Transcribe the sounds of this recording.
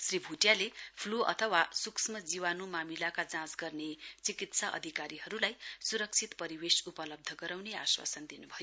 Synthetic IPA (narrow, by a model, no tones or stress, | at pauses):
sribʱuʈjalepʰluʌ̰t̪ʰʌwasuksmʌd͡ziwanumamilakad͡zãsɡʌrnet͡sikit̪saʔʌ̰d̪ʱikaɾiɦʌɾulajsuɾʌk̚t͡sʰit̪pʌɾiwesupʌlʌb̚d̪ʱʌɡʌɾawnea̰swa̰sʌnd̪inubʱʌjo